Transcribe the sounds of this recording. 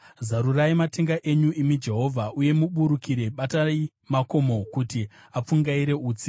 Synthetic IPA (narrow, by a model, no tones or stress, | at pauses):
zaɾuraimate̞ŋɡaʔe̞ɲuʔimid͡ʒe̞ɦo̞vʱaʔuje̞muɓuɾukiɾe̞ɓatai | mako̞mo̞kuti | ap͡fuŋɡaiɾe̞uːt͡si